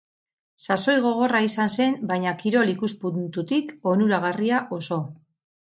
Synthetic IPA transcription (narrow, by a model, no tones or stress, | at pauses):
saso̞jɣ̞o̞ɣ̞o̞raisanse̞mbajɲakiɾo̞likuspunt̪ut̪iko̞nuɾaɣ̞ariaʔo̞so̞